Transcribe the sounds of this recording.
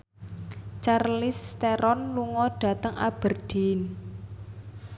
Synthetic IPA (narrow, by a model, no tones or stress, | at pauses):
t͡ʃarlɪst̪eɾɔnluŋɔɖ̥ä̤t̪əŋʔa̰b̥ərd̥i̤n